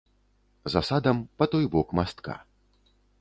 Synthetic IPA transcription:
zasad̪ɐmpɐt̪ɔjbɔkmast̪ka̰

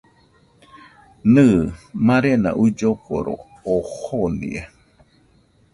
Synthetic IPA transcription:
nɨmãɾena̰ʔud͡ʒoko̰ɾo̰ | ohonḭe

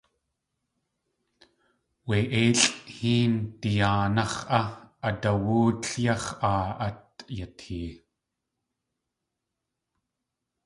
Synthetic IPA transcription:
weʔeːɬhiːnt̪ijaːnɑχʔaʔat̪awuːt̪ɬjɑχʔaːʔat̪̚jat̪hiː

